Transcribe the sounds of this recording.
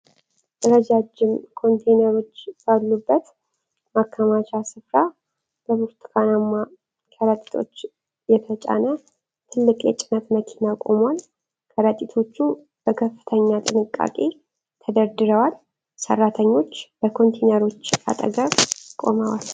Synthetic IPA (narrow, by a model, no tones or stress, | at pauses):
d̪əɾəd͡ʒad͡ʒɪmkʰo̞nt̪ʰenəɾo̞t͡ʃːb̥alːubːət̪ | makʰːamat͡ʃasɨfɾa | b̥əbuɾt̪ʰkʰanamːa | kʰəɾət̪ʼi̥t̪ʰo̞̰t͡ʃː | jɛt̪ʰət͡ʃʼa̰nə | t̪ʰɨlːɨkʼjɛ̰t͡ʃʼɪnət̪məkʰinakʼo̞mwal | kʰʼəɾət̪ʼit̪ʰo̞t͡ʃːu | b̥əkʰəfːɨ̥t̪ʰəɲːat̪ʼɨnɨkʼːa̰kʼe̞ | t̪ʰəd̪əɾd̪ɨɾəwal | sə̰rːat̪ʰəɲːo̞t͡ʃːbəkʰo̞nt̪ʰenəɾo̞t͡ʃːa̰t̪ʼə̰ɡəβkʼo̞̰məwa̰l